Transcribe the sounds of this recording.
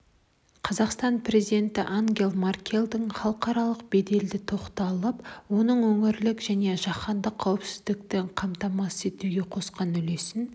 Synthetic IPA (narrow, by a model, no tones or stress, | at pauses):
qʰɑzɑqst̪ɑnpre̞zid̪e̞nt̪ɪʔaŋɡʲe̞lˠmarkʲʰe̞lˠd̪ɪŋχɑlˠəqɑɾɑlˠəqbe̞d̪e̞ld̪ɪt̪ʰo̞qt̪ɑlˠəpwo̞nəɴwɵŋɪɾlɪkʒæne̞ʒɑχɑnd̪əqʰːɑwɪpsɪzd̪ɪk̚t̪ɪɴqʰɑmt̪ɑmɑse̞t̪uɡʲe̞qʰo̞sqɑnʏle̞sɪn